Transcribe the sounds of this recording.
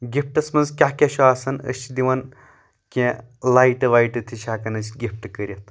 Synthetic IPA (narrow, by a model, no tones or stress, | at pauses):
ɡʲipʰʈɐsmɐnzkʲaɦkʲeʃʰuaːsɐnɐ̰st͡ʃʰid̪ʲiʋɐn | kʲẽ | laːiʈɨʋaːjʈɨt̪ʰiʃʲaːkɐnɐt͡ʃʰʲɡʲipʰʈɨkəɾʲɐt̪ʰ